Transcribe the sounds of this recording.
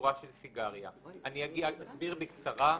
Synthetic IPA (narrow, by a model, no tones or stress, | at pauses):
ʁaʃelsiɡaʁja̰aniaɡiaasbiʁbekt͡saʁa